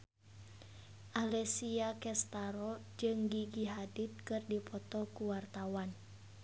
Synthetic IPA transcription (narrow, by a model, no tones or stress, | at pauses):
ʔalɛsiakɛst̪aɾɔd͡ʒɨŋɡiɡiɦadit̪̚kɨrdipʰɔt̪ɔkuwart̪awan